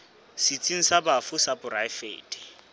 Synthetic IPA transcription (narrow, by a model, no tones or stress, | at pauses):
sit͡sʼiŋ̩sabafʊsabʊraɪfḛːtʼi̥